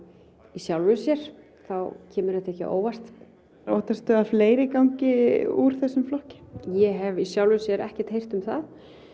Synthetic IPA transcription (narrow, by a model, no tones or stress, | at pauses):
isjawlvʏsjɛɾ̥ | θawcʰɛːmʏɾɛht̪ɛhcɪ̰ʔo̰ːwvast̪ | oːt̪ast̪ʏafleːjɾɪkawɲcɪuɾ̥θɛsːʏmflɔhcɪ̥jɛɦɛvisjawlvʏsjɛɾʔɛ̰hcɛ̥t̪hejr̥t̪ʏmθað